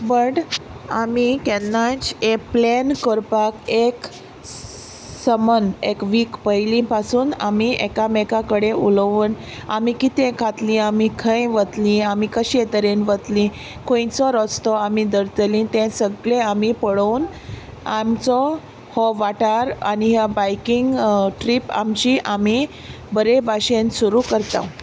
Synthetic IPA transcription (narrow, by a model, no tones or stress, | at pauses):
bəʈamikɛnːat͡ɕeplenkɔɾpakek | səmənekʋiːkpəjlĩpasuːnamiɛkamɛkakəɽeʔulʋən | amikit̪ẽkʰat̪lĩamikʰə̃jʋət̪lĩamikəɕiet̪əɾenʋət̪lĩ | kʰõjĩt͡sɔɾɔt͡st̪ɔamid̪əɾt̪əlĩt̪ɛ̃səɡlẽamipəɽəwn | amt͡sɔ | hɔʋaʈaɾaniɦabajkiŋɡʈɾipa̰mt͡ɕiːʔami | bəɾebaɕẽnsuɾukəɾt̪ã̰